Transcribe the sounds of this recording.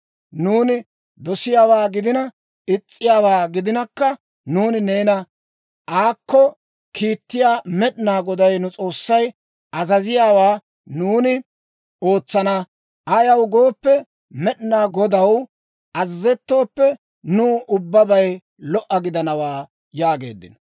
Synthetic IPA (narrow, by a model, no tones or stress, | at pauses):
nuːnɪ | d̪ɔsɪjaːwaːɡɪd̪ɪnɐ | ɪt͡sʼːɪjaːwaːɡɪd̪ɪnɐkːɐ | nuːnɪne̞ːnɐ | ʔaːkːɔ | kʰiːt̪ːɪjaːmɛɗɪnaːɡɔd̪ɐjnʊt͡sʼo̞ːsːɐj | ʔɐzɐzɪjaːwaː | nuːnɪ | o̞ːt͡sːɐnɐ | ʔɐjɐwɡo̞ːpːɛ | mɛɗɪnaːɡɔd̪ɐw | ʔɐzːɛt̪ːo̞ːpːɛ | nʊːʔʊbːɐbɐj | lɔʔɐɡɪd̪ɐnɐwaː | jaːɡe̞̰ːd̪ːɪ̰n